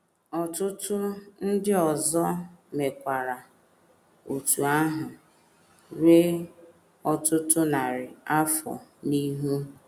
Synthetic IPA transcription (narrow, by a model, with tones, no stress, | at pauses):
ɔ˨tʊ˦tʊ˦n̩˦dɪ˦ɔ˨zɔ˦me˨kʷa˨ɾa˨ | o˨tu˨a˦ɦʊ˨ | ɾe˦ | ɔ˨tʊ˦tʊ˦na˨ɾɪ˨a˦fɔ̰˨ni˦ɦu˦